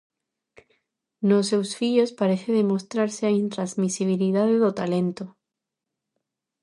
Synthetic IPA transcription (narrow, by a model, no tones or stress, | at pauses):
nosewsfiʎospaɾeθeðemo̞st̪ɾaɾseaint̪ɾazmisiβ̞iliðaðeðot̪ale̞nt̪o